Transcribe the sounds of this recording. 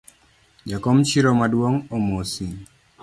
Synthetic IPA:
d͡ʒakomt͡ʃiɾɔmadwoŋomosi

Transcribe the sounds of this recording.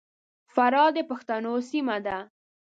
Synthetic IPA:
faɾɑd̪əpaxt̪anosimad̪a

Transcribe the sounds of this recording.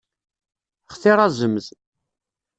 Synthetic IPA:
χθɪɾˤæzəmz

